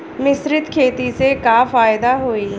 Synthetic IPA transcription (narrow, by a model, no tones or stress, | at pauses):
mɪsɾɪt̪kʰeːt̪isekaːfaːɪd̪aːɦoːiː